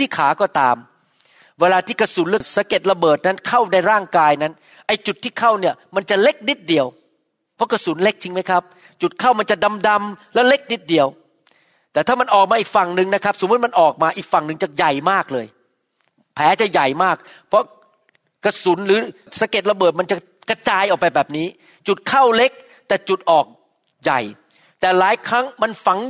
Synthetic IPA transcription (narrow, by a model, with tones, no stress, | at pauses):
t̪ʰiː˥˩kʰaː˩˦kɔː˥˩t̪aː˧m | weː˧laː˧t̪ʰiː˥˩ka˧su˨˩˦nlɯ˧˩sa˨˦ke˨˩t̪̚la˧bɤː˨˩t̪̚na˦˥nkʰa˥˩wna˧jɾaː˥˩ŋkaː˧jna˦˥n | ʔa˧jt͡ɕu˨˩t̪ʰːiː˥˩kʰa˥˩wni˥˩ɐma˧nt͡ɕa˨˩le˦˥k̚ni˦˥t̪̚di˨˩əw | pʰːɔ˦˥ka˧su˨˩˦nle˦˥k̚t͡ɕi˧ŋma˦˥jkʰa˦˥p̚ | t͡ɕu˨˩t̪̚kʰa˥˩wma˧nt͡ɕa˨˩da˧mda˧mlɛ˦˥wle˦˥k̚ni˦˥t̪̚di˨˩əw | t̪ɛː˨˩t̪ʰaː˥˩ma˧nʔɔː˨˩k̚maː˧ʔiː˨˩k̚fa˨˩ŋnɯ˨ŋna˦˥kʰa˦˥p̚so˨˦mu˦˥t̪̚ma˧nʔɔː˨˩k̚maː˧ʔiː˨˩k̚fa˨˩ŋnɯ˨˧ŋt͡ɕa˨˩ja˨˩jmaː˥˩k̚lɤː˧j | pʰɛː˨˦t͡ɕa˨˩ja˨˩jmaː˥˩k̚ | pʰɾɔ˦˥ | ka˧˩su˩˦nɾɯː˨˦ | sa˧˦ke˨˩t̪̚la˧bɤː˨˩t̪̚ma˧nt͡ɕa˨˩ | ka˧t͡ɕaː˧jʔɔː˨˩k̚pa˧jbɛː˨˩p̚niː˦˥ | t͡ɕu˨˩t̪̚kʰa˥˩wle˦˥k̚ | t̪ɛː˨˩t͡ɕu˨˩t̪̚ʔɔː˨˩k̚ | ja̰˨˩j | t̪ɛː˨˩laː˨˦jkʰɾa˦˥ŋma˧nfa˩˦ŋ